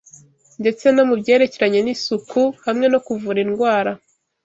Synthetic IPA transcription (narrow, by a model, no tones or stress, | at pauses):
nde̞t͡se̞nomubɟe̞ːɾe̞ceɾaɲe̞nisukuhamŋe̞no̞kuvuɾinɡwaːɾa